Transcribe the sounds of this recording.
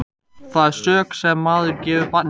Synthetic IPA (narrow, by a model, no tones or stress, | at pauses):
θaðsœːksɛmːaːðʏɾcɛːvʏpat̪̚n